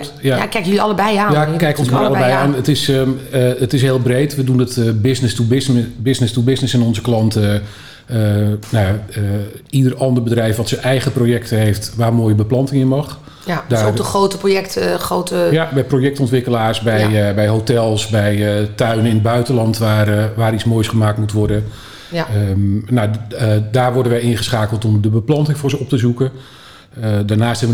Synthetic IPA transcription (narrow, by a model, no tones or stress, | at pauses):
jaakːɛjkjəlɑləbɛjaːjakɛjkɔnsmaɾləbɛjaːnətɪs | ətɪs̬ɦeːlˠbrejtʋədunətbɪsnɪstubɪsnɪstubɪsnɪsɪnɔnzəklɑntə | ənajaəidərɑndərbədrɛjfʋɔtsənɛjɣəprojɛk̚təɦejftʋaːrmoːjəbəplɑntɪŋɪnmɑχ | daːərowtəprojɛktrowtəjabɛjprojɛktɔntʋɪkəlaːrsbɛjjbɛjɦotɛlˠsbɛjtœɥnəɪnəd̚bœɥtəlɑntʋarʋaːɾit͡smoːjsχəmaːk̚tmutʋɔrdə | nadaːrʋɔɹdənʋɛjɪnχəsχaːkəlˠtɔmdəbəplɑntɪŋfʊːɹzəɔp̚təzukə | daːrnaːstɦɛbʋə